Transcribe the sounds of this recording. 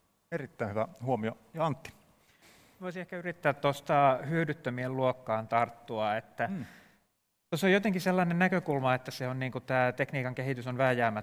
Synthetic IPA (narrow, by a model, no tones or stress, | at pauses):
erit̪ːæihyʋæhuomio | jɑɑnt̪ːi̥ | ʋoisiehkæyrit̪ːæːt̪tost̪ɑhyødyt̪ːømielluokːɑːnt̪ɑrt̪ːuɑet̪ːæ | t̪osːojot̪eŋkiselːɑnennækøkulmɑet̪ːæseonniːŋkut̪æːt̪ekniːkɑŋkeɦit̪ysonʋæhæjæːmæ